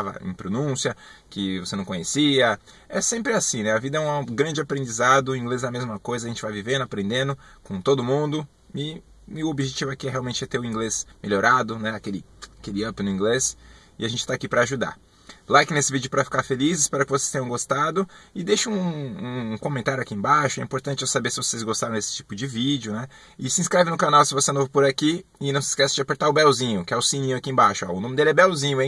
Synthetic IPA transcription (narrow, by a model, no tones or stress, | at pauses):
avɐ̰ḛ̃pɾonũsiɐkɪvosenɐ̃w̃kõɲesiɐ | ɛsẽmpɾɪasĩnɛavid̪ɐɛũɡɾɐ̃nd͡ʒɪapɾẽnd͡ʒizad̪ʊĩɡlezɛɐmezmɐkojzɐʒẽnt͡ʃɪvajvivẽnd̪ʊapɾẽnd̪ẽnd̪ʊ | kõt̪od̪ʊmũnd̪ʊ | ɪ | ɪʊobiʒet͡ʃivʊɛkiɛɦeawmẽnt͡ʃɪɛt̪eɾʊĩɡlesmeʎoɾad̪ʊnɛakelɪ | akelɪɐ̃pɪnʊĩŋɡles | ɪaʒẽnt͡ʃɪ̥t̪aːkipɾɐaʒud̪a̰ | lajkɪnesɪvid͡ʒɪʊpɾɐfi̥kaɾfelizɪspɛɾʊɐkɪvosest̪ẽɲ̃ɐ̃ɡost̪ad̪ʊɪd̪eʃɐũũkõmẽnt̪aɾjʊakiẽbaʃʊɛ̃ĩmpoɾt̪ɐ̃nt͡ʃɪɛsabeɾsɪvosezɡost̪aɾɐ̃d̪esɪ̥t͡ʃi̥pʊd͡ʒɪvid͡ʒʊnɛ | ɪsɪĩskɾɛvɪnʊkanawsɪvosenovʊpoɾakiɪnɐ̃w̃sɪ̥skɛsɪd͡ʒɪapeɾt̪aɾʊbɛwzĩɲʊkɪɛʊsĩnĩɲʊakiẽbaʃʊaʊnõmɪd̪elɪɛbɛwzĩɲʊẽ